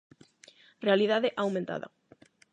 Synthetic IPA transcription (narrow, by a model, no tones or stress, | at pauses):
realiðaðɪʔawmẽnt̪a̰ðɐ̰